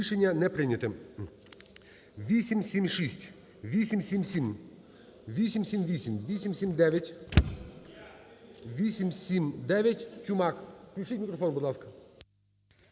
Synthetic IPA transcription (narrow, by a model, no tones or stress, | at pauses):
ʃenʲːɐnɛpɾɪnʲɐt̪ɪ | ʋʲisʲimsʲimʃisʲtʲ | ʋʲisʲimsʲimsʲim | ʋʲisʲimsʲimʋʲisʲimʋʲisʲimsʲimd̪ɛʋʲjɐtʲ | ʋʲisʲimsʲimd̪ɛʋʲjɐtʲt͡ʃʊmɑkfklʲʊt͡ʃɪtʲmʲikɾɔfɔnbʊd̪lˠɑskɐ̥